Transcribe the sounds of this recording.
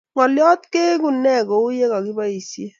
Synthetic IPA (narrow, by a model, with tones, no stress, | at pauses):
ŋɔ˨ljɔ˦t̪ke˦ku˨nːɛ˦˨ko˨u˦je˦ka˨ki˦ba˦i˨sje˦